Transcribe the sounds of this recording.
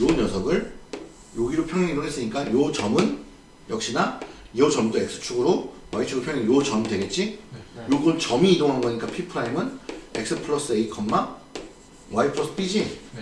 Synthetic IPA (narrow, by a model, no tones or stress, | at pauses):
jonjʌsʰʌɡɯɭ | joɡiɾopʰjʌŋɦeŋidoŋɦes͈ɯɲik͈ajot͡ɕʌmɯn | jʌk̚ɕ͈ina | iʌt͡ɕʌmt͈oe̞k̚s͈ʰɯ̥t͡ɕʰuɡɯɾowait͡ɕʰuɡɾopʰʌŋɦeŋjot͡ɕʌmdwe̞ɡe̞t̚t͡ɕ͈ijoɡɯnt͡ɕʌmiːdoŋɦanɡʌɲik͈apʰipʰɯɾaimɯnek̚s͈ʰɯpʰɯɭʌs͈ɯeikʰʌmːa | waipʰɾʌs͈ʰɯ̥p͈id͡ʑin